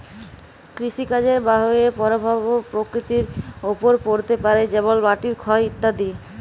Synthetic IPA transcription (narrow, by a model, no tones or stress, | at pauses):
kɾiʃikad͡ʑeɾbaɦoepɔɾobʱabopɾokɾit̪iɾopoɾpoɾt̪epaɾed͡ʑeβolbaʈiɾkʰɔeit̪ːad̪i